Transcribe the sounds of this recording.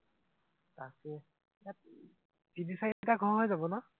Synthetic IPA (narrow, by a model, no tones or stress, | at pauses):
takɛ | jat̚ | dinisajtaɡʱɔɹɦojzabɔnɔ